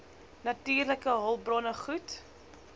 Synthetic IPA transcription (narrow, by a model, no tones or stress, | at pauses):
nɐtiːrləkəɦɔlˠbrɔnəχut